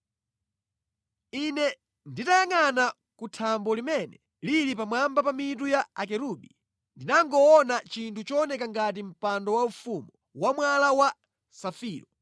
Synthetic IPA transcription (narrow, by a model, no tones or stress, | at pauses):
inɛ | nditajaŋana | kutʰambɔlimɛnɛ | lilipamwambapamit̬ujaak̬ɛɾuɓḭ | ndinaŋɡɔːnat͡ʃintʰut͡ʃɔnɛkaŋɡat̬im̩pandɔwaufumɔ | wamwalawa | safiːɾɔ